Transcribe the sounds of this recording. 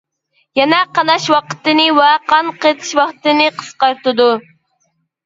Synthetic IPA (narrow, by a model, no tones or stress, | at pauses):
jɛnɛqɑnɑʃwɑqə̥t̪ɨnɨwɛqʰɑnqet̪ʰɨ̥ʃwɑqt̪ɨnɨqʰə̥sqɑɾt̪ɨd̪u